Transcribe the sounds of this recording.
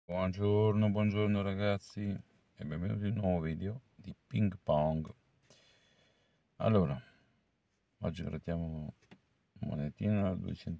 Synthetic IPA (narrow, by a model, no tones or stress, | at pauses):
bwɔnd͡ʒoɾnobwɔnd͡ʒoɾnoɾaɡat̪si | ebɛmvenṵːt̪inːwɔvovid̪eod̪ipiŋɡpaŋɡ | a̰lːoːɾa | ma̰d͡ʒiɡɾa̰d̪jamo | ma̰net̪ːiːnad̪ṵet͡ʃɛnt̪